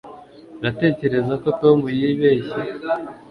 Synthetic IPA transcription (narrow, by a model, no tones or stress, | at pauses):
nate̞ːce̞ɾe̞zako̞tomujiiβe̞ːçi